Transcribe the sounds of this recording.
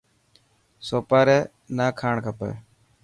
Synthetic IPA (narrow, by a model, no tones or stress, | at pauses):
soːpaːɾeː | naːkʰaːɳkʰəpḛː